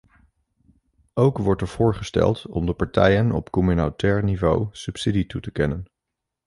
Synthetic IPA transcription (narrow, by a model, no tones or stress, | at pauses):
owkʋɔɹtɛɹv̥ʊːɹχəstɛ̰lˠtɔmdəpɑɹtɛjənɔ̰pkɔmynotɛːɹnivo̰wsɵpsiditutəkɛnən